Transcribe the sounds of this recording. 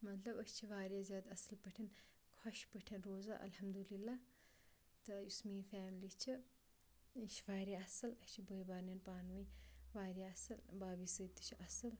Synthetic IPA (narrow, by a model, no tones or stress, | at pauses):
mɐt̪lɐbɐst͡ʃʰiʋaːɾʲjaːzʲjaːd̪ɐsɐlpɐʈʰɐn | kʰɐʃpəʈʰɐnɾoːza̰ʔɐ̰lhɐmd̪ulilːaː | t̪ɐjusmiːfaːmliːt͡ʃʰi | iʃʰʋaːɾʲaɐsɐlɐt͡ʃʰibəːjbaːɾnɐnpaːnʋɐjʋaːɾʲjaɐsɐlbaːbisɨːt̪ɨ̥t͡ʃʰiʔɐsɨl